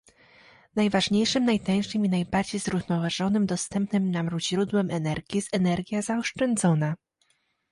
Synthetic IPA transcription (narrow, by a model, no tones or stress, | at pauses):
najvaʐɲejʂɘmnajt̪aj̃ʂɘminajbaɾd͡ʑejzɾuvnɔvaʐɔnɘmd̪ɔst̪ɛmpnɘmnamɾuʑɾud̪wɛmɛnɛɾɡʲiɛsɛnɛɾɡʲjazaɔʂt͡ʂɛnd̪zɔna